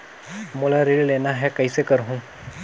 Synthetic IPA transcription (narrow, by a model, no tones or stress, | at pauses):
molaɾeɭlenaɦɛkəjsekəɾɦũ